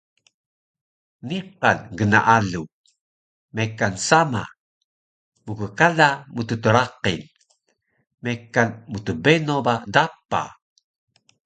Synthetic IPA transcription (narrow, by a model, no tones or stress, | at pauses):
niqanɡəna̰ʔalu | mekansama̰ | mukəkalamutətəɾaqḭn | mekanmutəbenobadapːa̰